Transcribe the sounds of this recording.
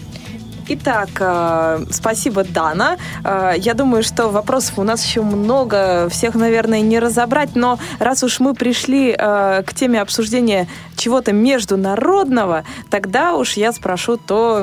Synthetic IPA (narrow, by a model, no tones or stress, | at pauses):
ɪt̪akəspɐsʲibəd̪anəəjad̪uməjʊʂt̪o̞vɐpɾo̞sə̥fʊnasjɪɕːomno̞ɡəfsʲe̞xnɐvʲe̞rnəjənʲɪɾəzɐbɾat̚ʲno̞ɾʔasʊʂmɨpɾʲɪʂlʲiəktʲemʲɪɐpsʊʐdʲenʲɪjə | t͡ɕɪvo̞t̪əmʲɪʐd̪ʊnɐɾo̞d̪nəvət̪ɐɡd̪auʂjaspɾɐʂut̪o